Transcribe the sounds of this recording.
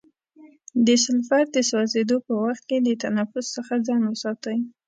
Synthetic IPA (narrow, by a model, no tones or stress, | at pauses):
d̪əsɪlfaɾd̪əswɑzed̪opəwaxt̪̚ked̪ət̪anafʊsːəxad͡zɑnwəsɑt̪əj